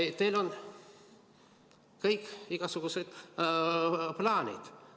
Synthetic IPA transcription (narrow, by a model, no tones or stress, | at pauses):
t̪elo̞n | kɤjkːiɡ̥ɑsuɡ̥used̪̥ | plɑːnʲḭd̪̥